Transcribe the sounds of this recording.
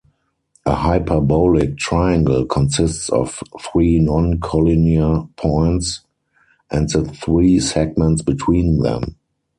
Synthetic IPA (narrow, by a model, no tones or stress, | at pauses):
ʔəhaɪpʰə˞bɔlɪk̚tʰɹaɪãŋɡl̩kʰɔ̃nsɪstsɔ̰fθɹiːnɔ̃nkʰɔloniapʰɔ̃ɪ̃nts | ʔɛ̃ntðəθɹiːsɛɡ̚mɛ̃ntsb̥itʰwĩːnðɛ̰̃m